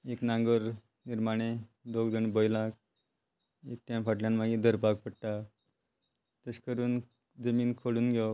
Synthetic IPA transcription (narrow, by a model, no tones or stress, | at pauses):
eknãŋɡəɾ | niɾmaɽ̃ed̪oɡd̪əɳbəjlak̚ | ek̚ʈamfaʈljãnmaɡid̪ʱəɾpak̚pəɽʈa | t̪eskəɾuːn | d͡zəmiːnkʰoɽuːnɡʱjɔ